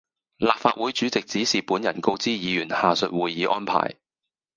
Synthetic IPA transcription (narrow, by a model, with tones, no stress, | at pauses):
laː˨p̚faː˧t̚wuː˨˥jt͡ʃyː˨˥t͡sɪ˨k̚t͡siː˨˥siː˨puː˨˥njɐ˨˩nko˧wt͡siː˥jiː˨˧jyː˨˩nhaː˨sɵ˨t̚wuː˨jːiː˨˧˥ʔɔː˥npʰa̰ː˨˩j